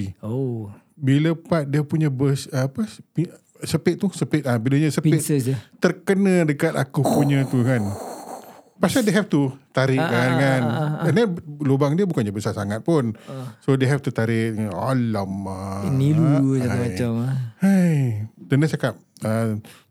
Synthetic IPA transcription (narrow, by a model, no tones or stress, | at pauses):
o | biləpat̪̚diəpuɲəbəsəpaspi | səpɪt̪̚t̪usəpɪt̪̚əbiləɲəsəpɪt̪ərkənãdəkat̪a̰kupuɲə̃t̪ukan | pasadeɦɛft̪ut̪aɾɪʔkankanəndɛlobaŋdiəbukanɲəbəsasaŋat̪̚pʊnsodeɦɛft̪ut̪aɾɪka̰laməniluaamat͡ʃamhajt̪ənət͡ʃakap̚ | ə